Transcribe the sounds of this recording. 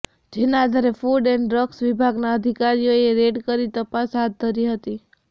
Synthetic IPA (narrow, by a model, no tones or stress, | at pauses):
d͡ʒenaad̪ʱaɾefuɖɛnɖɾəksʋibʱaɡnaəd̪ʱikaɾijoeɾeɖkəɾit̪əpasɦat̪̚d̪ʱəɾiɦət̪i